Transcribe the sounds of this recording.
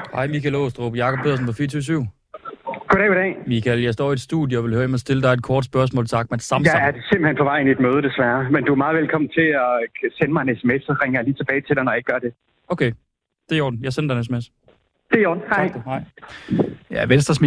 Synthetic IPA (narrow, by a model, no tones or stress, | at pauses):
hɑ̈ɪ̰mikʰælo̰sd̥ʁo̰ːb̥jɑ̈kʰɒb̥̚ʰe̝ð̰ˠsn̩pʰɒ̽fiːɐt͡sʰyːʋsyʊ̰ | ɡ̥oɾ̥ɛ̰iɾɛ̰ːmikʰæljɑ̈ɪsd̥ɒ̰ːied̥sd̥ṵðˠjoɒʋe̝lhøːɐemæsd̥e̝ləd̥ɑ̈ɪed̥̚kʰɒːd̥sb̥ɶɐs̬mɔ̰̽ːlsʰɑ̈ɡ̥̚mæd̥sɑ̈mæɐdesembl̩henpʰɒ̽ʋɑ̈ɪ̰nied̥møːð̞ˠəd̥esʋæɐmend̥uæmɑ̈ːð̩ˠʋelkʰɒ̽m̰n̩t͡sʰe̝ɒ̽senmɑ̈ɪenesemesɒʁɛŋɐjäliːt͡sʰe̝b̥ɛːɪt͡sʰe̝l̥ɑ̈ɪnɒjaeɡ̥̚ɶɐd̥e | ʔoʊkʰe | d̥e̝jo̝ɐd̥n̩jɑ̈senɐd̥ɑ̈ɪnesemes | d̥e̝joːd̥n̩hɑɪ̥hɑ̈ɪ̰ | jæʋensd̥ɐsmi